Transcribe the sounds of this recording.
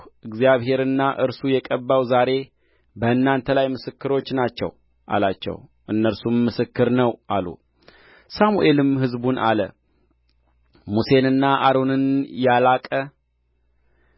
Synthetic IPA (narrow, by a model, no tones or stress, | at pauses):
ʔɨɡzjaβɦe̞ɾɨnːaʔɨɾsujɛkʼəbːawzaɾe̞ | bəɨnːant̪ʰəlajmɨsɨkːɨɾo̞t͡ʃːnat͡ʃːɛ̰w | ʔa̰lat͡ʃːɛ̰w | ʔɨnːəɾsumːɨsɨkːɨɾnəwʔalṵ | samuʔe̞lɨmɦɨzbunʔa̰lə | muse̞nɨnːaʔaɾo̞nɨnjalakʼə